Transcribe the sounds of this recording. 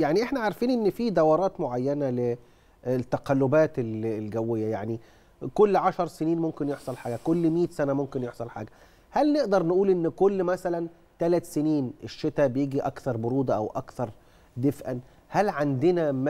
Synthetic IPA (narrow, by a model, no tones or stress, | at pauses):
jaʕniʔeħnæʕaɾˤfiːnʔenːfid̪æwɑɾˤɑːt̪moʕajːænæle | t̪ːæqælːobæːt̪ellɡæwːejːæjaʕni | kolːʕaʃɑɾˤseniːnmomkenjeħsˤɑlħaːɡækolːmiːt̪sænæmomkenjeħsˤɑlħa̰ːɡæ | hælneʔd̪ɑɾˤnʔuːlʔenːkolːmæsælæn | t̪ælæt̪seniːnʔeʃːet̪æbejeːɡiʔækt̪ɑɾˤboɾuːd̪æʔæwʔɑ̰kt̪ɑɾˤ | d̪efʔæn | hælʕand̪enæm